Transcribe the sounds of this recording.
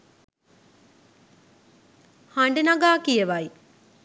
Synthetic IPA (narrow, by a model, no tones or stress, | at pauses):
haɳɖənaɡaːkijəʋaj